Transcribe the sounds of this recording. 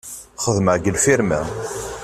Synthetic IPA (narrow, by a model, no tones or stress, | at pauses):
χəðməʕɡəlfiɾmæ̰